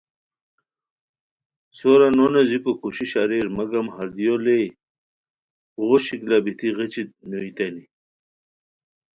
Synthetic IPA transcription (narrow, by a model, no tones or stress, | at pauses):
soɾanonɐzipokuɕiɕaɾeːɾmɐɡɐmhɐɾd̪ijole | ʁoɕiklabit̪iʁet͡ɕit̪̚noit̪ɐni